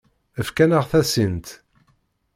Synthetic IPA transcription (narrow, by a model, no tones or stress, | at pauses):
əfkænəʁθæsint̪